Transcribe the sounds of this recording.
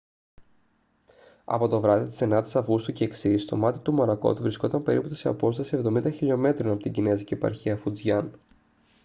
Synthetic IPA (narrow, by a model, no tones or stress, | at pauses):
ɐ̰po̞t̪o̞vɾɐðit̪isenɐt̪i̥sɐfɣust̪uceksist̪o̞̰mɐt̪i̥t̪umɐɾɐko̞̰t̪uvɾisko̞t̪ɐmpe̞ɾiput̪iseɐpo̞st̪ɐsie̞vðo̞mind̪ɐçiʎo̞me̞t̪ɾo̞nɐpot̪iɟinezicipɐ̰ɾçiɐfud͡zʝɐn